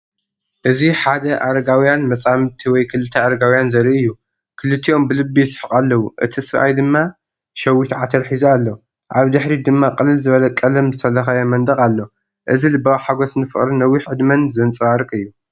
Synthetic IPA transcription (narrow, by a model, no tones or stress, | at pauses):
ʔɨziħad̪ɐʔaɾɐɡawjanmɐsʼamt̪ʰiwɔjkʰɨlɨt̪ʰːɐaɾɐɡawjanzɐɾiʔɨjːu | kʰɨlɨt̪ʰːiʔo̞mbɨlɨbːisɨ̥ħɨqʼalːɐwuʔɨ̰t̪ʰisɨɾʔa̰jd̪ɨmːa | ʃɐwit̪ʰʕat̪ʰɐɾħizɐalːo | ʔaβd̪ɨħɾid̪ɨmːaqʼɨlɨlzɨβɐlɐkʼɐlɐmzɨsɐlːɐxajomɐnd̪ʼɐkʼalːo | ʔɨzilɨbaβħaɡo̞snɨfɨχʼɾinɐwːiħʕɨd̪mɐnzɐnt͡sʼɨβaɾkʼɨjːu